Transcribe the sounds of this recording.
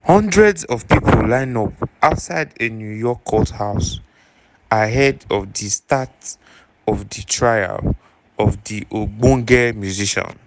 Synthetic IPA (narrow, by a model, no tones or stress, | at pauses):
hɔ̃ndɹɛdzɔv̥pipʰo̰llãɪ̃nɔpaʊtsaɪdenjujɔkʰːɔthaʊs | aɦɛdɔvdistat | ɔvditʰɹaja̰l | ɔvdiʔoɡ͡bɔ̃ŋɡɛmjuziʃɔ̰̃n